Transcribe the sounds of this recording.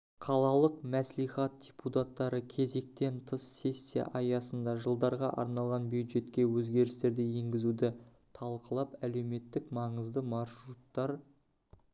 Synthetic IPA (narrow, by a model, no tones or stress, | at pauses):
qʰɑlˠɑlˠəqmæslijχɑt̪̚d̥ʲeput̪at̪ːɑɾəkʲʰe̞ze̞k̚t̪e̞nt̪ʰəsːe̞sʲːija̰ʔɑjɑsənd̪ɑʒəlˠd̪ɑɾʁɑʔɑ̰ɾnɑlˠʁɑnbjujd̪ʒe̞t̪kʲe̞wɵzɡʲe̞ɾɪst̪e̞ɾd̪ɪje̞ŋɡʲɪzud̪ɪ | t̪ʰɑlˠqəlˠɑpæle̞wme̞t̪ːɪkmɑɴəzd̪əmɑɾʃɾut̪ːɑɾ